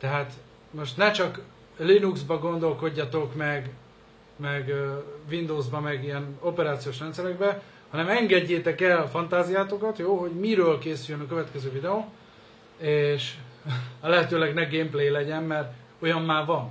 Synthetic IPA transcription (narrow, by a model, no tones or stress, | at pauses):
t̪ɛɦaːt̪ | mo̞ʃt̪nɛt͡ʃɒk | linuɡzbɒɡo̞nd̪o̞lko̞ɟːɒt̪o̞kmɛɡ | mɛɡvind̪oːzbɒmɛɡijɛno̞pɛɾaːt̪sijoːʃ̬rɛnt̪sɛɾɛɡ̚bɛ | hɒnɛmɛŋɡɛɟːeːt̪ɛkɛlfɒnt̪aːzijaːt̪o̞kɒt̪joːɦo̞ɟmiɾøːlkeːsyjønɒkø̞vɛt̪kɛzøːvid̪ɛoː | eːʃ | lɛɦɛt̪øːlɛɡnɛɡempleːlɛɟɛmmɛr | ojɒmːaːvɒn